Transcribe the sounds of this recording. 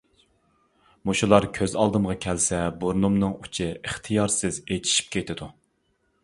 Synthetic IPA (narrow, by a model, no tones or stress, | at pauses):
muʃulˠɑɾkʲʰøzɑlˠd̪ɨmʁɑkʲʰɛlsɛboɾnumnɨŋut͡ʃʰɪɨχt̪ʰɨjɑɾsɪzet̪ʰi̥ʃi̥p̚kʲʰet̪ʰɪd̪u